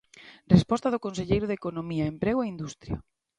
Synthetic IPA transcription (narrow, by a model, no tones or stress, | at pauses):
respɔst̪ɐaðʊkonseʎejɾʊðekonomiɐempɾeɣoeind̪ust̪ɾjɐ̰